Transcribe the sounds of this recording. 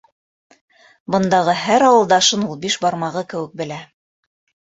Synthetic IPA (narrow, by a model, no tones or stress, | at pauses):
bɤ̆nd̪ɑʁɤɦæɾɑwɤ̆lˠd̪ɑʃɤnulˠbiʃbɑɾmɑʁɤkɘ̆wɘ̆k̚bɘ̆læ